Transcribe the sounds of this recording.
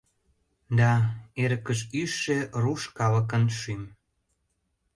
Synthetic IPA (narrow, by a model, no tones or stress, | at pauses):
d̪ɑeɾəkəʃyʃːeruʃkɑləkənʃym